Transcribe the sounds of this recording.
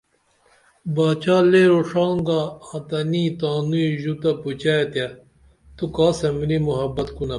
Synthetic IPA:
baːt͡ɕaːleːɾoʂaːŋɡaːt̪ɐniːt̪aːnuiʑut̪ɐput͡ɕaet̪ja | t̪ukaːsɐmilimuɦɐbɐt̪kunɐ

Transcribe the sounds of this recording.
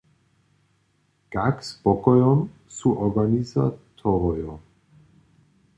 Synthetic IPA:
ɡ̥akspɔkɔjɔmsuʔɔɡaniza̰t̪ʰɔʁɔjɔ

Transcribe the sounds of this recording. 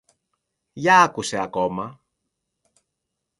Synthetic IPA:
ʝɐɐkuse̞ɐko̞mɐ

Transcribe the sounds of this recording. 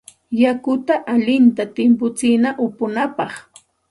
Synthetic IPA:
jakʊt̪aʔaʎɪnt̪at̪ɪmpʊt͡sɪnaʔʊpʊnapɑχ

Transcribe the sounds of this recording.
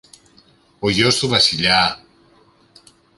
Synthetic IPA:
ojosuβasiʎa

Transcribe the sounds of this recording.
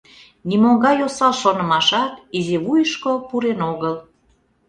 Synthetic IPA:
nimoŋɡɑjosɑlʃonə̆mɑʃɑt̪izeβujəʃkopuɾenoɣəl

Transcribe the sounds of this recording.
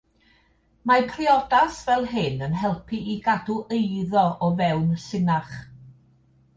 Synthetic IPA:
mapʰrɪɔdasvɛlˠɦɪnənɦɛlˠpʰiiɡaduʔejðɔʔɔvɛwnsɪnaχ

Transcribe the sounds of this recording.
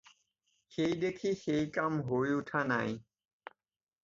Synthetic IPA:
xeid̪ekʰiːxeikamɦoiʊʈʰaːna̰ːĩ

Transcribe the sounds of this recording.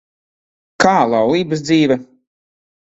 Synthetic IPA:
kaːlˠawlˠiːbasd̪ziːvɛ

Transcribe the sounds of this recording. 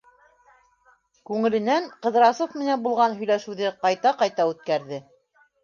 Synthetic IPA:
kʉŋɘ̆lɘ̆næɴqɤ̆ð̆ɾɑsofmɘ̆nænbulˠʁɑnɦɵ̆jlæʃɘ̆wðɘqɑjt̪ɑqɑjt̪ɑʉt̪̚kæɾðɘ

